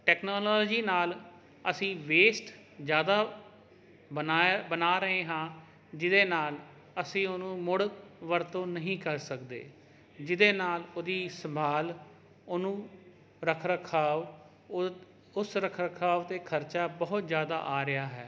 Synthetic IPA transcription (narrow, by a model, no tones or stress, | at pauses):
ʈɛːknoːlɔːlːd͡ʒiːnaːl | əsĩːʋeːsʈ | d͡ʒjaːd̪aː | ənːbənaːɾəɦeːɦãː | d͡ʒɪd̪eːnaːl | əsĩːonũːmʊɽʋəɾt̪õːnəɦĩːkəɾsəkd̪ḛː | d͡ʒɪd̪eːnaːloːd̪iːsəmbʱaːl | onũː | ɾəkʰɾəkʰːaːʋ | ʊsɾəkʰɾəkʰaːʋt̪eːkʰəɾt͡ʃaːbəɦʊt̪zjaːd̪a̰ːʔaːɾɪjaːɦɛː